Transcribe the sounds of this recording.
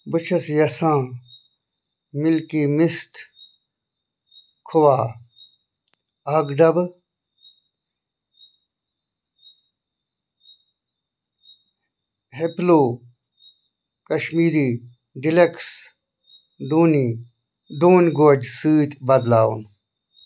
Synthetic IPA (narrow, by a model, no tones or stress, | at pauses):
bɨt͡ʃʰɐsjɐsãː | mɪlkiːmisʈʰ | kʰʊʋaː | aɡɖɐb | ɦeploː | kɐʃmiːɾiː | ɖileks | ɖ̪uːni | ɖoːnʲɡoːd͡ʑsiːt̪bɐd̪laːṵn